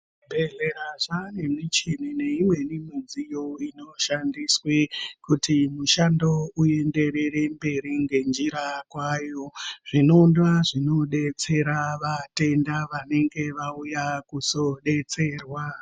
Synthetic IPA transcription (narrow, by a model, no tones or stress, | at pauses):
bʱe̞ɮeɾaʐane̞mit͡ʃinineimwe̞nimizijoino̞ʃandiswekutimuʃando̞ue̞nde̞ɾe̞re̞mbe̞ɾiŋɡe̞nd͡ʒiɾakwaːjo̞ʐ̥ino̞ndaʐino̞ɗe̞t͡se̞ɾaʋate̞ndaʋane̞ŋɡe̞ʋaujakuso̞ɗe̞t͡se̞ːrwa